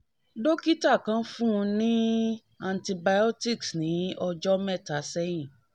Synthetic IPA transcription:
do˦ki˦ta˦˨kã˧˦fũ˦˧nĩ˦ | a˧ntĩ˧ba˧jɔ˦ti˦˨ksnĩ˨˦ɔ˧d͡ʒɔ˦mɛ˦˨ta˨˦sɛ˦j̃ĩ˦˨

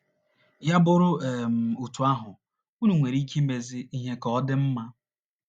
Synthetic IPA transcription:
ja˦bʊ˦ɾʊ˦e˨m̩˨u˨tu˨a˦ɦʊ˨ | u˦nu˨ŋʷe˨ɾi˦ki˦me˨zɪ˦i˦ɦe˦kɔ˦dɪ˦m̩˦ma˦

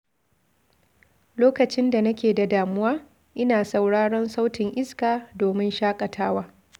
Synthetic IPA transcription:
loː˦kɐ˨t͡ʃɪ˦nda˨nɐ˦kʲeː˨da˨daː˨mʊ˦waː˦ | ʔɪ˦naː˨sa˨wɽaː˦ɽɔ˦nsa˦wtɪ˨ŋʔɪ˦skaː˨doː˨mɪ˦nʃaː˦kʼɐ˨tʰaː˦waː˦

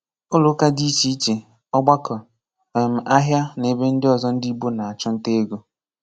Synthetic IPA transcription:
ʊ˦lʊ˦ka˦di˦t͡ʃi˦t͡ʃe˨ | ɔ˦ɡ͡ba˦kɔ˨ | m̩˨ʔa˦ɦja˦ne˨be˦n̩˦dɪ˦ɔ˨zɔ˦n̩˦di˦bo˦na˨a˨t͡ʃɔ˦n̩˦te˦ɡo˦

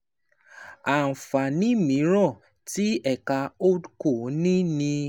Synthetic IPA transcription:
a˨n̩˨fa˨nĩ˨˦mĩ˨˦ɾ̃ɔ̃˦˨ | ti˦ɛ˦˨ka˧o˦dko˦˨˦nĩ˦nĩ˧

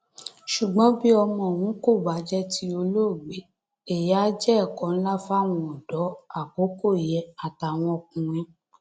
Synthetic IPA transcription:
ʃu˨ɡ͡bɔ̃˨˦bi˦ɔ˧mɔ̃˧˨wũ˨˦ko˦˨ba˨˦d͡ʒɛ˦ti˧˦o˧lo˦˨ɡ͡be˨˦ | e˦˨ja˦d͡ʒɛ˦ɛ˦˨kɔ̃˨˦n̩˦la˦fa˦˨w̃ɔ̃˧ɔ˨d̥ɔ˨˦a˦˨ko˨˦ko˦˨jɛ˨˧a˨ta˨w̃ɔ̃˧˨kũ˨˧ɾ̃ĩ˦

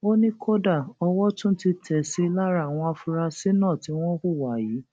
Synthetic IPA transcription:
o˦nĩ˦kʰo˦da˦˨ɔ˧wɔ˦tũ˦n̩˦ti˧tʰɛ˨si˨˦˧la˦ɾa˦˨a˨w̃ɔ̃˧a˧fu˧ɾa˧si˦nãː˦˨ti˨˦w̃ɔ̃˦ku˦˨wa˨ji˨˦

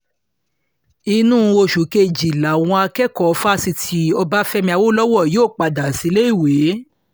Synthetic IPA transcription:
i˧nũ˦˧o˧˨ʃu˨˦ke˧˨d͡ʒi˨la˨w̃ɔ̃˧a˧kɛ˦˨kɔ˦˨˧fa˦si˧tʰi˧˦ɔ˧ba˦fɛ˦mĩ˧˦a˧wo˦lɔ˦wɔ˦˨joː˦˨k͡pa˨da˨si˨˧˦le˦i˦˨we˨˦

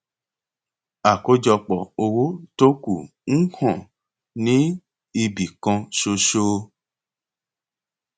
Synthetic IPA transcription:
a˨ko˨˦d͡ʒɔ˧k͡pɔ˨o˧wo˦to˦ku˦˨n̩˦hɔ̃˦˨ | nĩ˦ | i˧bi˨kã˧ʃo˧ʃo˧

